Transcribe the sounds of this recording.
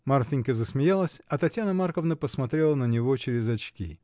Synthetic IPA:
marfʲɪnʲkəzəsmʲɪjalˠəsʲɐt̪ɐtʲjanəmarkəvnəpəsmɐt̪ɾʲelˠənənʲɪvo̞t͡ɕɪɾʲɪzɐt͡ɕkʲḭ

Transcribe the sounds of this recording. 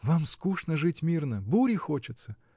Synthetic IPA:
vamskuʂnəʐɨtʲmʲirnəbuɾʲɪxot͡ɕɪt̪sə

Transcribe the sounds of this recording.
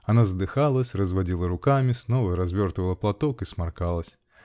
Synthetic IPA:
anazd̪ɨxalˠɐsʲrɐzvad͡zʲilˠɐɾukamʲisnɔvɐɾazʲvʲɔrt̪vɐlˠɐplˠat̪ɔkismarkalˠɐsʲ

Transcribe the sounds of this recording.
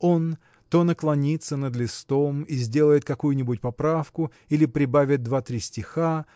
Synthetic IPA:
o̞n | t̪onəklˠɐnʲit̪sənəd̪lʲɪst̪o̞mizʲdʲe̞lˠəjɪt̪̚kɐkujʊnʲɪbʊt̚ʲpɐpɾafkʊ | ilʲɪpɾʲɪbavʲɪt̪̚d̪vat̪ɾʲisʲtʲɪxa

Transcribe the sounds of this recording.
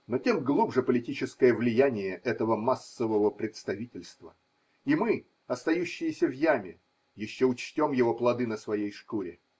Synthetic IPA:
no̞tʲe̞mɡlˠubʐɨpəlʲɪtʲit͡ɕɪskəjəvlʲɪjænʲɪjəʔɛt̪əvəmasːəvəvəpɾʲɪt̪st̪ɐvʲitʲɪlʲst̪və̰ | imɨ | ɐst̪ɐjuɕːɪjɪsʲəvjamʲɪ | jɪɕːoʊt͡ɕtʲo̞mjɪvo̞plˠɐd̪ɨnəsvɐjejʂkuɾʲɪ

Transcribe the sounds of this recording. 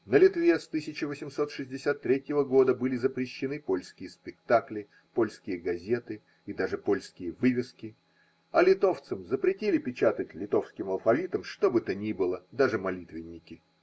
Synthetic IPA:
nəlʲɪt̪vʲe̞st̪ɨsʲɪt͡ɕɪvəsʲɪmso̞t̪ʂɨzʲdʲɪsʲat̪ːɾʲetʲjɪvəɡo̞d̪əbɨlʲɪzəpɾʲɪɕːɪnɨpo̞lʲskʲɪjəspʲɪkt̪aklʲɪ | po̞lʲskʲɪjəɡɐzʲet̪ɨ | id̪aʐɨpo̞lʲskʲɪjəvɨvʲɪskʲɪ | ɐlʲɪt̪o̞ft̪sɨmzəpɾʲɪtʲilʲɪpʲɪt͡ɕat̪ətʲlʲɪt̪o̞fskʲɪmɐlˠfɐvʲit̪əmʂt̪o̞bɨt̪ənʲibɨlˠəd̪aʐɨmɐlʲit̪vʲɪnʲːɪkʲɪ

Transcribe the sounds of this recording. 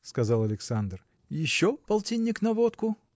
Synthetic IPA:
skɐzɑlˠɐlʲɪksand̪r | jɪɕːopɐlˠtʲinʲːɪknɐvot̪kʊ

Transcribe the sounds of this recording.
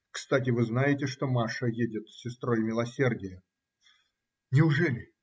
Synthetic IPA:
kst̪atʲɪvɨznajɪtʲɪʂt̪o̞maʂəjedʲɪt̪sʲːɪst̪ɾo̞jmʲɪlˠɐsʲe̞rdʲɪjə | nʲɪʊʐɛlʲɪ

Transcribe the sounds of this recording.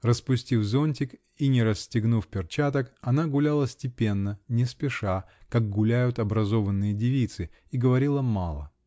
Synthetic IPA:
rəspʊsʲtʲifzonʲtʲɪk | inʲɪɾəsʲtʲɪɡnufpʲɪrt͡ɕat̪əkɐnaɡʊlʲalˠəsʲtʲɪpʲe̞nːənʲɪspʲɪʂa | kak̚ɡʊlʲæjʊt̪ɐbɾɐzo̞vənːɨjədʲɪvʲit̪sɨ | iɡəvɐɾʲilˠəmalˠə̰

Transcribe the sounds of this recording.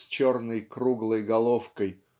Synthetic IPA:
t͡ɕornəjkɾuɡlˠəjɡɐlˠofkəj

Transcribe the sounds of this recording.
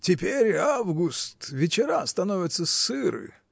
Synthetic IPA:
tʲɪpʲeɾʲavɡʊst̪vʲɪt͡ɕɪɾast̪ɐnovʲɪt̪səsɨɾɨ̰

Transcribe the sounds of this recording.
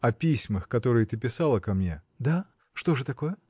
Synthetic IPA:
ɐpʲisʲməxkɐt̪o̞ɾɨjət̪ɨp̬ʲɪsɑlˠəkɐmnʲe̞̰ | d̪a | ʂt̪o̞ʐɨt̪ɐko̞jə

